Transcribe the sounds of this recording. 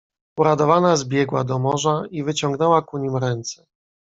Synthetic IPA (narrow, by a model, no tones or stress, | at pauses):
uɾad̪ɔvanazbʲjɛɡwad̪ɔmɔʐaivɘt͡ɕɔŋɡnɛwakuɲimɾɛnt̪sɛ̥